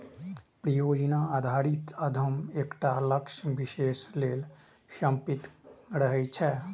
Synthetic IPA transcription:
pɾəjoːd͡ʒnaaːd̪ʱaːɾɪt̪ɐd̪ʱəmeːkʈaləkʃʋɪʃeːʃleːl | ʃə̃mpɪt̪ɾəɦət͡ʃʰɛ

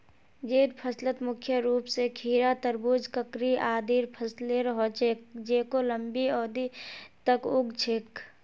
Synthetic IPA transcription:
d͡ʒeːɾpʰəslət̪mʊkʰjəɾuːpsekʰiːɾat̪əɾbuːd͡ʒkəkɾiaːd̪iːɾpʰəsleɾɦot͡ʃʰek̚d͡ʒeːkoləmbiɔːd̪it̪əkʊɡt͡ʃʰek

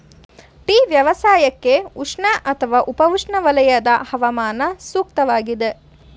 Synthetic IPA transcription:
ʈiːʋjɐʋɐsaːjɐkːeuʂɳɐʔɐt̪ʰɐʋaːʔupɐʋuʂɳɐʋɐlɐjɐd̪ɐhɐʋɐmaːnɐsuːk̚t̪ɐʋaːɡid̪e

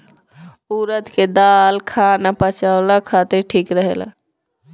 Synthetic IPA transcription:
uːɾət̪ked̪alkʰanapət͡ʃaʊlakʰat̪iɾʈʰiːkɾəɦela̰

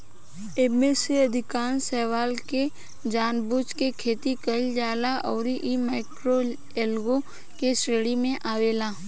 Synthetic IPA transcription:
eːmeseɐd̪ʱɪkaːnsɛːʋaːlke | d͡ʒaːnbʊt͡ʃkekʰeːt̪ikəid͡ʒaːlaʔɔːɾiʔimaːɪkɾo | eːlɡo | kesɾeːɽimẽʔaːʋeːlaː

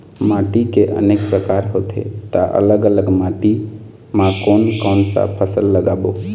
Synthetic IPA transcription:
maʈikeʔə̰neːk̚pɾəkaːɾɦot̪ʰḛt̪aʔə̰ləɡələɡmaʈi | mãkoːnkɔːnsa̰pʰəsəlːəɡabo

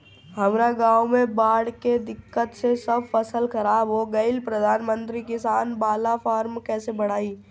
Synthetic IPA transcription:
ɦɐmɾaɡaːwmẽbaːɽked̪ɪkːət̪sesəbfəsəlkɐɾaːbɦoɡɐɪlpɾəd̪ʱaːnmə̃nt̪ɾikɪsaːnbaːlafaːɾmkɛːsebɐɽ̤aːiː

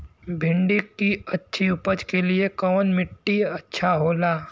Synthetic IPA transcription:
bʱɪ̃ɳɖikːiɐtːʃʰiʊpəd͡ʒkeliekɔːnmɪʈːiɐtːʃʰaɦoːlaː

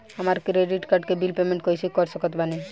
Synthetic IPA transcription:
amaɾkɾeɖiʈkaɾɖkebilpemẽɳʈkɔisʰikɔɾsəkɔt̪bani

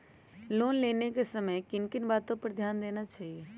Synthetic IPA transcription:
loːnleːnekesɐməjkɪnkɪnbaːt̪õpɐɾd̪ʱjaːnd̪eːnat͡ʃaːɦijeː

